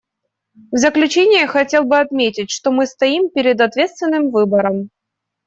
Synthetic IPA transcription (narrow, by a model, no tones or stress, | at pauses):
vzəklʲʉt͡ɕenʲɪjəxɐtʲe̞lˠbɨɐt̪mʲetʲɪtʲʂt̪o̞mɨst̪ɐimpʲɪɾʲɪd̪ɐt̪vʲet̪st̪vʲɪnːɨmvɨbəɾəm